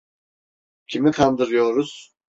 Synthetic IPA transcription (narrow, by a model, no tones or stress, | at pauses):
cʰimik̪ʰand̪ɯɾɯjoɾuz̥